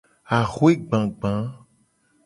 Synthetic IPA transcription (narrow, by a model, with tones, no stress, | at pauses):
a˨xwe˦ɡ͡bã˨ɡ͡bã˨˦